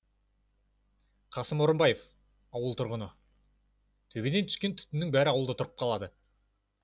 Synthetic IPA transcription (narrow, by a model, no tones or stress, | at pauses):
qʰɑsəmo̞ɾəmbɑje̞f | ɑwəlˠt̪ʰʊɾʁənə | t̪ʰɵbe̞d̪et̪ʰʏ̥skʲe̞nt̪ʰʏ̥t̪ɪnɪŋbæɾɪɑwlˠd̪ət̪ʰʊɾəp̚qʰɑlˠɑd̪ə